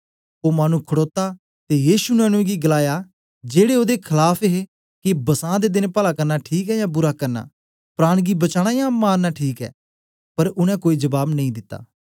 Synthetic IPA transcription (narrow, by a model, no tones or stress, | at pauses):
oːmaːnũːkʰəɽoːt̪aː | t̪eːjiːʃuːnɛ̃ːnũẽɡiːɡəlaːjaː | d͡ʒeːɽeːoːd̪eːkʰəlaːpʰeɦe | kɪbəsãːd̪eːd̪ɪnpəlaːkəɾnaːʈʰiːkɛːjãːbʊɾaːkɐɾna̰ː | pɾaːɽ̃ɡiːbət͡ʃaːɽ̃aːjãːmaːɾnaːʈʰiːkɛ̰ː | pəɾʊɽ̃ɛ̃ːkoːiːd͡ʒəbaːbnəĩd̪ɪt̪ːa̰ː